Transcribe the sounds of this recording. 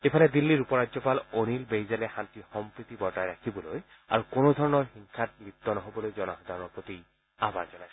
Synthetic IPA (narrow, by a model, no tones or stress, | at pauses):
epʰalɛd̪ilːiɹupɔɹadzɔpalonilbejzalɛxantixɔmpɹit̪ibɔɹtajɹakʰibɔloj | a̰ɹukonod̪ʱɔɹɔnɔɹxiŋkʰat̚mit̪ːɔnɔɦobɔlojzɔnɔxɔd̪ʱaɹɔnɔpot̪i | ama̰ɹzɔnajs